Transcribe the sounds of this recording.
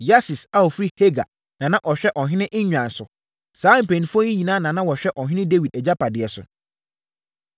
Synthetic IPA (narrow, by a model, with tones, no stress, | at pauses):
ja˦sɪ˨sa˦ɔ˨fɾi˦he˦ɡa̰˨ | nã˨nã˦ʔɔ˨ɕᶣɛ˦ʔɔ˨ɦɪ̃˦nɪ̃˦ʔɪ̃˦ɲᶣ˨ã˨n̩˨sʊ˨ | saː˨˦m̩˨pɛ̃˨nĩ˨fɔ˦ɲĩ˦ɲĩ˨nã˦nã˨nã˦wɔ˨ɕᶣɛ˦ʔɔ˨ɦɪ̃˦nɪ̃˦de˦wi˨dɛ˨d͡ʑa˦pʰa˨dɪ˨ɛ˨sʊ̰˨